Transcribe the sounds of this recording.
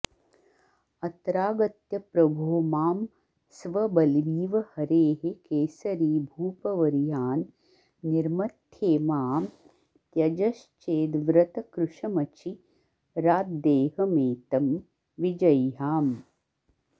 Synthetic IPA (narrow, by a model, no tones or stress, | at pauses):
ɐt̪ɾaːɡɐt̪jɐpɾɐbʱoːmaːm | sʋɐbɐlʋiːʋɐhɐɾeːɦekeːsɐɾiːbʱuːpɐʋɐɾijaːnː | iɾmɐt̪ʰjeːmaːm | t̪jɐd͡ʒɐʃt͡ʃeːd̪ʋɾɐt̪ɐkɾuʂɐmɐt͡ʃi | ɾaːd̪̚d̪eːɦɐmeːt̪ɐm | ʋid͡ʒɐjɦaːm